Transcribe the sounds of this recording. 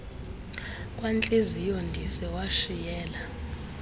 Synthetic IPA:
kʼwant͡ɬʼezijondʱisɛwaʃijɛːla

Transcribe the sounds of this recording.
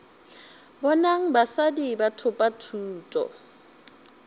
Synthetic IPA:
bɔnaŋ̩basadibatʰʊpʼatʰuːtʼɔ̰

